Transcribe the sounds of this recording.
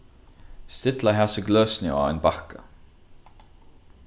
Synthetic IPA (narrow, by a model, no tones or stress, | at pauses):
st̪ɪt̪laɦasəɡlœːsnɪ̰a̰jnbakə